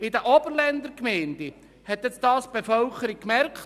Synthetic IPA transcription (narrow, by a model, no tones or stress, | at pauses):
ɪd̪əʔɔbəɾlɛnd̪əɾkmɛɪnd̪i | hɛt̪jɛt͡sdɑːsb̥efœlkəɾikːmɛɾkt